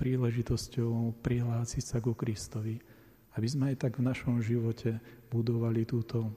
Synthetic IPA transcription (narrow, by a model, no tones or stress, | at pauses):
pɾiːlɛʒit̪ɔscɔʊpɾiɦlaːsicsaɡukɾist̪ɔʋi | abizmɛajt̪aɡvnaʃɔmʒiʋɔcʰɛbud̪ɔʋalit̪uːt̪ɔ